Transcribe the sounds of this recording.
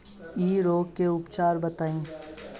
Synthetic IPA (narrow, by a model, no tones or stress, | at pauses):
iːɾoːɡkːeʊpt͡ʃaːɾbɐt̪aːĩː